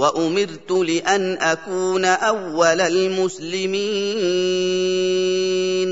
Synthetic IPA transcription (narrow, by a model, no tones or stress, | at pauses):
waʔʊmɪɾt̪ʊlɪʔanʔakuːnaʔawːalalmʊslɪmiːn | n